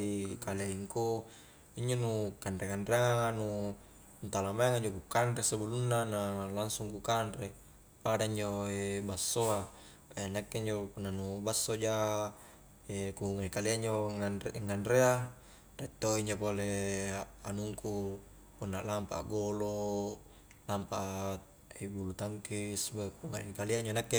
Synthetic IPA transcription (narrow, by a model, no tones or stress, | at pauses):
ikaleiŋku | iɲd͡ʒonukandɾekandɾeaŋaŋanu | nt̪alamaeŋaɲd͡ʒokukandɾesabulunːanalaŋsuŋkukanɾe | padaiɲd͡ʒoebasːoa | enakːeiɲd͡ʒopunːanubasːod͡ʒa | ekuŋaikaliaɲd͡ʒoanŋːanɾea | ret̪ːoiɲd͡ʒopole | anuŋku | punːalampa̰ɡolo | lampa | ibulut̪aŋkisbakuŋa̰ikaliaɲd͡ʒonakːe